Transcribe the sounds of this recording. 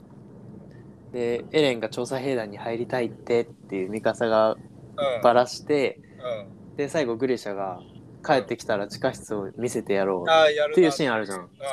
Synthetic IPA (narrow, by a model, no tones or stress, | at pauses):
d̪e̞e̞ɾẽ̞ŋɡat͡ɕo̞ːsaɦe̞ːd̪ãɲ̟ːihaiɾʲit̪ait̪ːe̞t̪ːe̞jɯ̟ːmʲikasaɡa | b̥aɾaɕi̥t̪e̞ | d̪̥e̞saiɡo̞ɡɯ̟ɾʲeɕaɡa | kʰae̞t̪ːe̞kʲi̥t̪aɾat͡ɕi̥kaçʲi̥t͡sɨomʲise̞t̪e̞jaɾo̞ːe̞jɯ̟ːɕĩaɾɯ̟ʑã